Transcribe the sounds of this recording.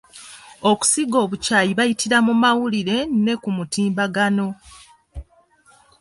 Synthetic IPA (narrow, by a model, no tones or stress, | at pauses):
oku̥siɡo̞ːβucaːjiβajitʰiɾamumawuliɾe̞ne̞kumutiːmbaɡano̞